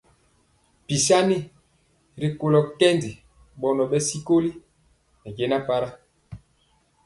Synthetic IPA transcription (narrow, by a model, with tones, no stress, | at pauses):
pi˨sa˦ni˦ | ɾi˨ko˨lɔ˨kɛ˦ndi˨ | ɓɔ˨nɔ˨ɓɛ˦si˦ko˦li˦ | nɛ˨ɡe˨˦na˦pa˦ɾa˦